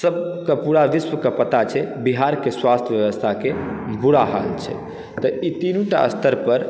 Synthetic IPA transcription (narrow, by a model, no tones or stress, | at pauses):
səb̚kəpuɾaʋiswəkəpət̪at͡ʃʰɛbiɦaɾkeswast̪ʰjəʋjeʋəst̪ʰakebuɽaɦa̰lt͡ʃʰɛ̰ | t̪əit̪inũʈa̰ə̰st̪ʰəɾpəɾ